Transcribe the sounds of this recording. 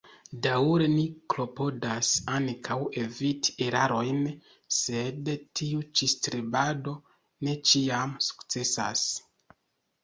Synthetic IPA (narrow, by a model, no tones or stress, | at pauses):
dawɾe̞niklo̞po̞dasankʰawe̞viti̥eɾaɾo̞jn | se̞dtʰiut͡ʃistɾibado̞ | ne̞t͡ʃiamsu̥kt͡se̞sa̰s